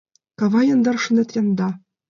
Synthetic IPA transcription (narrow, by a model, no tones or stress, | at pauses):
kɑʋɑjɤ̆nd̪ɑrʂɤ̆nʲɘ̆t̪rʲɑnd̪ɑ